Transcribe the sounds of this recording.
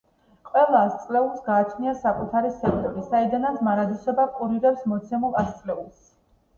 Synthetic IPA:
qʼwɛlˠaːst̪sʼlɛulˠsɡaːt͡ʃʰniasakʼut̪ʰaɾisɛk̚t̪ʼɔɾisaid̪anat̪sʰmaɾad̪isɔbaqʼuɾiɾɛpsmɔt̪sʰɛmulˠast̪sʼlɛulˠs

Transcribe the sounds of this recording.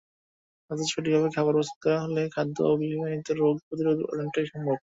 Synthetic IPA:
ad̪et͡ɕʰoʈ̬ibʱaβekʰɛbaɾpost̪o̥d̪ɛaɦolekʰad̪ːo̰obʱibanit̪eɾːoɡ̚pɾot̪̬iɾod̪ɔ̰ɾieɳʈeʃɔmbʱok̚

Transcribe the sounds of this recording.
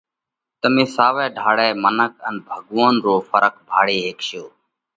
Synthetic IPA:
t̪əmĩːsaːʋɛːɖʱaːɽɛːmənəkənbʱəɠʋoːnɾoːfəɾəkbʱaːɽeːɦeːkʃoː

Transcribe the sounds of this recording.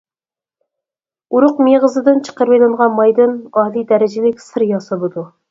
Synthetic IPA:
uɾʊqmeʁəzɨd̪ɨnt͡ʃʰə̥qəɾvejlˠɨŋʁɑnmɑjd̪ɨnɑɦlid̪ɛɾɪd͡ʒɪlɪkʲsɨɾjɑsɑbud̪u

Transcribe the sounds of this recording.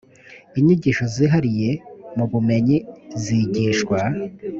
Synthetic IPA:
iɲiɟiːʃo̞ziɦaɾije̞muβume̞ɲiziɟiːʃkwa

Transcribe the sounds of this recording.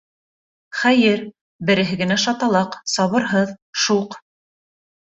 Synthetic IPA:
χæjɘɾ | bɘ̆ɾɘ̆ɦɘ̆ɡɘ̆næʃɑt̪ɑlˠɑqsɑβɤ̆ɾɦɤðʃuq

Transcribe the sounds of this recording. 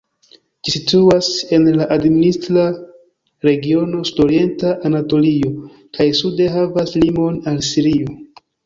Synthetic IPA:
d͡ʒisituase̞nlaʔadministɾa | ɾe̞ɡio̞no̞sudo̞ɾie̞ntaʔːnato̞lio̞ | kajsudeɦavaslimo̞nalsiɾio

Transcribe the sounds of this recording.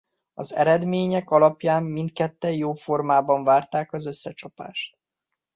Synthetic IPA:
ɒzɛ̰ɾɛd̪meːɲɛkɒlɒpjaːmːint̪kɛt̪ːɛjjoːfo̞rmaːbɒɱvaːrt̪aːkɒzøsːɛt͡ʃɒpa̰ːʃt̪̚

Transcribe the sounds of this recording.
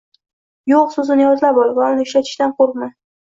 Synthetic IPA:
joqsʊzɪnɪjɒzlapɒlˠɪbvaʊnɪʊʃlat̪ʰɪ̥ʃt̪anqʰoɾqma

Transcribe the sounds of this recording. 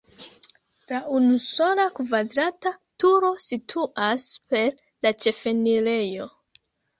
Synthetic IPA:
laʔunuso̞lakvadɾatatuɾo̞sitʰuʔaspe̞ɾ | lat͡ʃe̞fe̞nile̞jo̞

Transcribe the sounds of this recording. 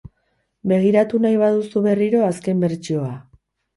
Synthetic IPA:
be̞ɣ̞iɾat̪unajβaðusuβe̞riɾo̞aske̞mbe̞ɾt͡ʃio̞a

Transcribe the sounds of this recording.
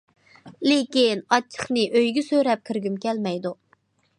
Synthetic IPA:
lɪkʲinɑt͡ʃʰə̥χnɨʔøjɡʲɪsøɾɛp̚kʲʰiɾɡʲymkʲʰɛlmɛjd̪u

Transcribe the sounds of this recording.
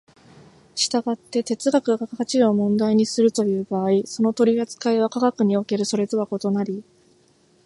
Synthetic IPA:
ɕi̥t̪aɡat̪ːe̞t̪e̞t͡sɨɡakɯ̟ɡaɡakakat͡ɕiɾoːmõ̞nd̪aiɲ̟isɨɾɯ̟t̪o̞jɯ̟ːbaːiso̞no̞t̪o̞ɾʲiat͡sɨ̥kaeβakaɡakɯ̟ɲ̟io̞ke̞ɾɯ̟so̞ɾe̞t̪o̞βako̞t̪o̞naɾʲi

